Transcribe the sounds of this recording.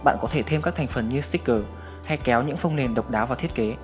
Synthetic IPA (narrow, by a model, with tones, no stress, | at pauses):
ɓa̰ː˧˨nkɔ˨˦t̪ʰe˧˩t̪ʰe˧mkaː˦˥k̚t̪ʰa˨˩ŋ̟fə˨˩nɲɨ˧st̪i˦˥t̚kəː˨˩ | ha˧jkɛ˨˦wɲɨ̰˧˥ŋfə˧wŋ͡mne˨˩nɗə˨˩wk͡p̚ɗaː˨˦wvaː˨˩t̪ʰi˦˥ət̚ke˨˦